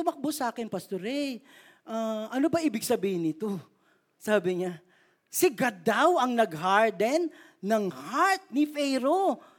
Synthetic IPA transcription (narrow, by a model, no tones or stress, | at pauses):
t̪ʊmɐk̚bosɐʔaːkɪnpɐst̪oɾɛ | ʔaʔɐnobɐʔiːbɪɡsɐbiːhɪnːɪt̪o̞ | saːbɪŋa | sɪɡɐd̪awɐŋnɐɡɦaɹd̪ɛnː | ɐŋhaɹt̪̚nɪfɛjɾo